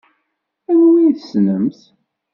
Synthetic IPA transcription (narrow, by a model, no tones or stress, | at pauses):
æwwiθəsnəmθ